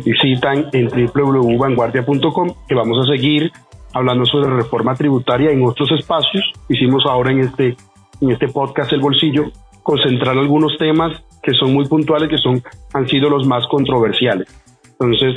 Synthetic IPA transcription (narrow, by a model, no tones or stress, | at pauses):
bisit̪aŋe̞nt̪ɾiple̞uβleuβaŋɡwaɾðjapunt̪o̞komke̞βamo̞s̬as̬e̞ɣiɾaβland̪o̞so̞βɾere̞fo̞ɾmat̪ɾiβut̪aɾjaeŋo̞t̪ɾose̞spasjo̞sisimo̞sao̞ɾaeŋest̪eː | ŋe̞st̪e̞po̞ðkasd̪elβo̞lsiʝo̞ | ko̞nse̞nt̪ɾaɾalɣuno̞st̪e̞mas | ke̞so̞nmujpunt̪wale̞ske̞so̞ŋansiðo̞lo̞zmasko̞nt̪ɾo̞βe̞ɾsjale̞s | ent̪o̞nse̞s